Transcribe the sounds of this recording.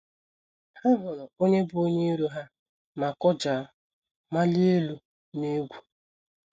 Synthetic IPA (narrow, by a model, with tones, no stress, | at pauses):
ha˦ɦʊ˨lɔ˨o˦ɲe˦bʊ˦o˦ɲe˦ɾu˦ɦa˦ | ma˨kɔ˦d͡ʒa˨˦ | ma˦li˦e˦lu˨ | ne˦ɡʷu˨